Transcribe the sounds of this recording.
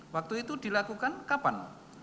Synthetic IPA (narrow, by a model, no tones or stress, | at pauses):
wak̚t̪uit̪ud̪̥i̤lakukankapan